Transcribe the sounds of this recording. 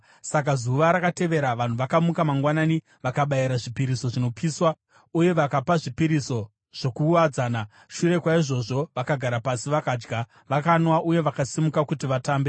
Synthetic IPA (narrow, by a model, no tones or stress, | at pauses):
sakazuʋaɾakate̞ʋe̞ɾaʋan̤uʋakamukamaŋɡwanani | ʋakaɓaiɾaʐipiɾiso̞ʐino̞piːswa | uje̞ʋakapaʐipiɾiso̞ | ʐ̥o̞kuʋad͡zaːna | ʃure̞kwaiʐo̞ʐo̞ʋakaɡʱaɾapasiʋakaːd͡ʒɡa | ʋakanwaʔuje̞ʋakasimukakutiʋataːmbe